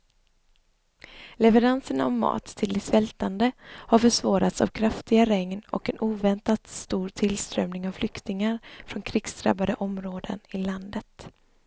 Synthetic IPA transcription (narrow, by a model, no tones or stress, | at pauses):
lɛvəɾansəɳaɔmːɑ̰ːt̪ʰːɪld̪ɛsvɛlt̪and̪əhaɾfœʂvɑːɾat̪sa̰vkʰɾaft̪ɪɡaɾɛŋnɔ̰kɛnʔuːvɛnt̪at̪st̪uːɾt̪ʰɪlst̪ɾœmnɪŋavflʏkt̪ɪŋaɾfɾɔnkʰɾɪɡsd̪ɾa̰bːad̪əʔɔmɾoːd̪ənɪland̪ət̪